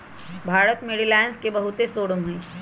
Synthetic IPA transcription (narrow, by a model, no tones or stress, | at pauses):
bʱaːɾət̪meɽilaːɪnskebɐɦʊt̪esoːɽəmɦɛ̃ː